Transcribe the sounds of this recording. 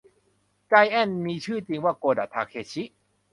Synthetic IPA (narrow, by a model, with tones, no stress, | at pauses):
ka˧jʔɛ˧˥˩nmiː˧t͡ɕʰɯː˥˩t͡ɕi˧ŋwaː˥˩koː˧da̰˨˩t̪ʰaː˧kʰeː˧t͡ɕʰi˦˥ʔ